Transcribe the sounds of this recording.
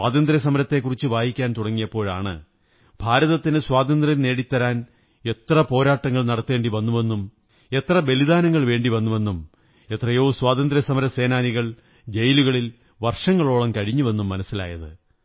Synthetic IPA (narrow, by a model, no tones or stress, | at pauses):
swaːd̪ɐnd̪ɾɐs̬ɐmɐɾɐt̪ːe̞kːurit͡ɕːɨʋaːjikʲːaːnt̪uɽɐŋːijɐpːo̞ːɻa̰ːɳɨ̰ | bʱaːɾɐðɐt̪ːinɨswaːd̪ɐnd̪rɐne̞ːɽit̪ːɐɾaːn | e̞t̪rɐpo̞ːɾaːʈːɐŋːɐɭnɐɽɐt̪ːɨeːɳɖiʋɐnːuʋe̞nːum | e̞t̪rɐbe̞liðaːnɐŋːɐɭʋe̞ːɳɖiʋɐnːuʋe̞nːum | et̪rɐjo̞ːswaːðɐnd̪ɾɐsɐmɐɾɐse̞ːnaːniɣɐɭ | d͡ʑejluɣɐɭil | ʋɐrʂɐŋːɐɭo̞ːɭɐmkɐɻiɲːuʋe̞nːumːɐnɐsːila̰ːjɐðɨ